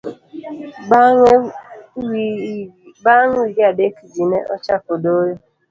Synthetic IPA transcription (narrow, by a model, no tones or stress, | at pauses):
baŋiɡadekid͡ʒineʔɔ̰t͡ʃakodoɾe